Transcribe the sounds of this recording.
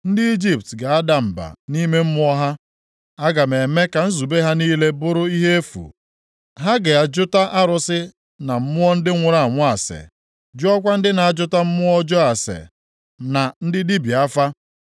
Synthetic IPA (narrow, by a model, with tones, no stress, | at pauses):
n̩˦dɪ˦i˦d͡ʒi˨p̚tɡa˨a˦da˨m̩˨ba̰˨ni˦me˦m̩˦mʊ˦ɔ˦ɦa˦ | a˦ɡa˨me˨me˦ka˨n̩˦zu˨be˦ɦa˦niː˦le˦bʊ˦ɾʊ˦i˦ɦe˦e˦fṵ˨ | ɦa˦ɡe˨a˨d͡ʒʊ˦ta˦ʔa˦ɾʊ˨sɪ˦ | na˨m̩˦mʊ˦ɔ˦n̩˦dɪ˦ŋʷʊ˨ɾa˨ŋʷʊ˦a˨sḛ˨ | d͡ʒʊ˦ɔ˦kʷa˦n̩˦dɪ˦na˨a˨d͡ʒʊ˦ta˦m̩˦mʊ˦ɔ˦d͡ʒɔ˦a˨sḛ˨ | na˨n̩˦dɪ˦di˦bi˨a˦fa˦